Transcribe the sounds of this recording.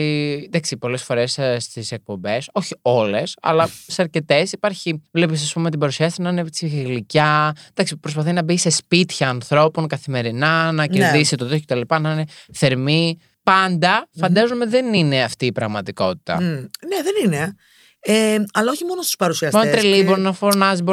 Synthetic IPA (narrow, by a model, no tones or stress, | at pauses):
d̪ɐksipo̞le̞sfo̞ɾe̞sst̪ise̞k̚po̞mbe̞so̞çio̞le̞sɐ̰lɐseɐɾce̞t̪e̞sipaɾçivlepisɐspumet̪ibɐɾusiɐst̪nɐnepit͡siɣiɣlicɐd̪ɐksipɾo̞spɐθinɐbise̞spit̪çɐːnθɾo̞po̞nkɐθime̞ɾinɐnɐceɾðisit̪oðokocet̪ɐlipɐnɐne̞θe̞ɾmi | pɐnd̪ɐfɐnd̪ɐzomeðe̞nine̞ɐft̪iːpɾɐɣmɐt̪iko̞t̪i̥t̪ɐ̰neðenine | eɐlɐo̞çimo̞nost̪u̥spɐɾusiɐsmonot̪ɾiliboɾinɐfo̞ɾnɐzibo